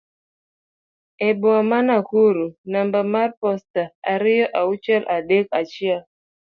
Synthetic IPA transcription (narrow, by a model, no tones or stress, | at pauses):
ɛbuamanakuɾunambamaɾpɔstaaɾijɔʔaut͡ʃɛlʔaɗɛk̚at͡ʃia